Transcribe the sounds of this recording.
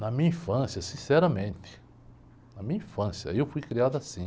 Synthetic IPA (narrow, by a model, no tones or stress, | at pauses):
nɐmĩɲɐĩfɐ̃sjɐsĩsɛɾɐmẽnt̪ɪ̥ | nɐmĩɲɐĩfɐ̃sjɐ̰ewfujkɾiad̪ʊasĩ